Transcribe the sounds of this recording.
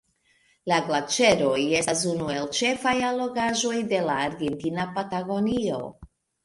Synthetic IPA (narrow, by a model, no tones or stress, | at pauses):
laɡlat͡ʃe̞ɾo̞je̞sas̬unue̞lt͡ʃe̞fajalo̞ɡaʒo̞jde̞laːɾɡe̞ntinapataɡo̞nio̞̰